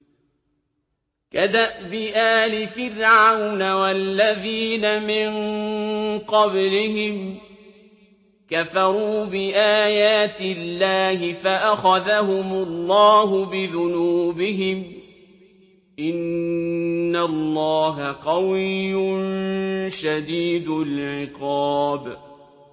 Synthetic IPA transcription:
kad̪aʔbɪʔaːlɪfɪrʕawnawalːaðiːnamɪn | qɑblɪɦɪm | kafɑɾˤuːbɪʔaːjaːt̪ɪlːaːhɪfaʔaxaðaɦʊmʊlːɑːɦʊbɪðʊnuːbɪɦɪm | ʔɪnː | alˤːɑːɦaqɑwɪjjːʊnʃad̪iːd̪ʊlʕʕɪqɑːb

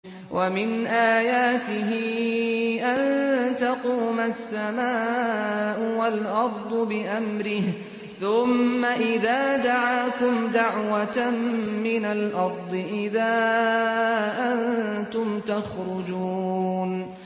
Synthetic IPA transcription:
wʔamɪnʔaːjaːt̪ɪɦɪ | ʔant̪ɑquːmasːamaː | ʔʊwalʔɑɾˤd̪ˤʊbɪʔamɾɪh | θʊmːaʔɪðaːd̪aʕaːkʊmd̪aʕwat̪amːɪnalʔɑɾˤd̪ˤɨʔɪðaː | ʔant̪ʊmt̪axɾʊd͡ʒuːn

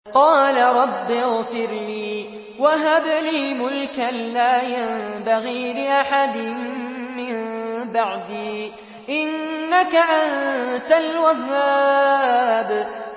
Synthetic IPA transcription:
qɑːlaɾˤɑbːɪɣfɪɾliː | waɦabliːmʊlkalːaːjambaɣiːlɪʔaħad̪ɪnmɪmbaʕd̪iː | ʔɪnːakaʔant̪alwaɦːa | b

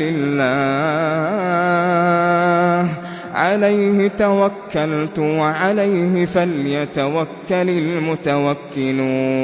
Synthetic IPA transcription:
lɪlːaː | h | ʕalajhɪt̪awakːalt̪waʕalajɦɪfaljat̪awakːalalmʊt̪awakːɪluː

